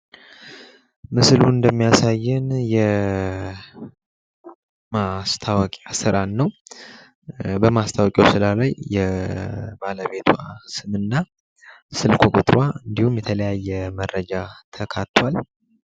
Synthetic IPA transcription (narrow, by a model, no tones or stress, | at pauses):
mɨsluɨnd̪əmːijasajːɪnjɛ | mast̪ʰawɔkʼasɨɾanːəw | bəmast̪ʰawɔkʼjɛwsɨlalajːɛ | baləβe̞t̪ʰuasɨmɨnːa | sɨlkʰokʷʼṵt̪ʼɾwaɨnd̪ihumjɛt̪ʰələjajːɛmərːəd͡ʒat̪ʰəkʰat̪ːwal